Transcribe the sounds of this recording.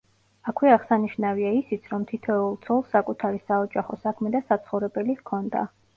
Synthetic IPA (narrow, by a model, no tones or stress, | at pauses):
akʰwɛaʁsaniʃnaviaisit̪sʰɾɔmt̪ʰit̪ʰɛulˠt̪sʰɔlˠsːakʼut̪ʰaɾisaɔd͡ʒaχɔsakʰmɛd̪asat̪sʰχɔvɾɛbɛlikʰɔnd̪a̰